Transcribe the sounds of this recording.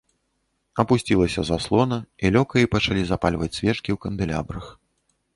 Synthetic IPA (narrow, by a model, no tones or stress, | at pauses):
ɐpusʲt͡sʲilˠɐsʲɐzaslˠɔnɐilʲɔkɐipɐt͡ʂalʲizapalʲvɐt͡sʲsʲvʲɛt͡ʂkʲiwkɐnd̪ɨlʲa̰bɾɐx